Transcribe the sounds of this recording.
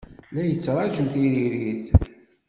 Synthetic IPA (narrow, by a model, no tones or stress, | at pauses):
læjət͡sːɾˤɑʒuθiɾiɾiθ